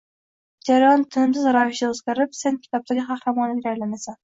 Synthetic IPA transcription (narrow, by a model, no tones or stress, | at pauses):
d͡ʒaɾajɒnt̪ʰɪnɪmsɪzɾɒjɪʃd̪aozɡʲaɾɪpse̞nkʲʰɪ̥t̪ʰɒp̚t̪ʰaɡʲɪχɑχɾamɒnɪɾajlanasan